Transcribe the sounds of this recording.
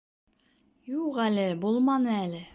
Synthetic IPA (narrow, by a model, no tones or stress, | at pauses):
juqælɘbulˠmɑnɤælɘ